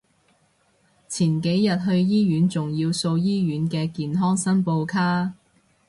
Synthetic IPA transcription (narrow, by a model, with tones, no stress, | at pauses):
t͡sʰiː˨˩nke˨˥jjɐ˨t̚ɦɵ˧ɥjiː˥jyː˨˥nt͡sʊ˨ŋjiː˧wso˧wjiː˥ɥyː˨˥nkɛː˧kiː˨nɦɔː˥ŋsɐ˥npo˧wkʰaː˥